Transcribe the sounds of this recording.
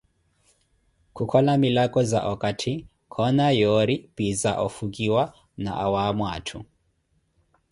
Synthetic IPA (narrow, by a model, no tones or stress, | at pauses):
kʰukʰɔlamilakʼɔza̰ʔɔkʼatʰi | kʰɔnajɔɾipiza̰ʔɔfukʼiwa | na̰ʔawamwaːtʰu